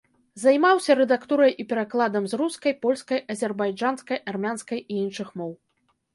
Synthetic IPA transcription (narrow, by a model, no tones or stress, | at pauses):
zajmawsʲɐɾɛd̪akt̪uɾɐjipʲɛɾaklˠad̪ɐmzɾuskɐjpɔlʲskɐjɐzʲɛrbajd͡ʐanskɐjʔarmʲanskɐjijinʂɨxmɔw